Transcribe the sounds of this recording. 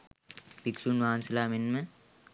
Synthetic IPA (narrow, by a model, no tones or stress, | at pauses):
biksunʋaːnsɐlaːmenmə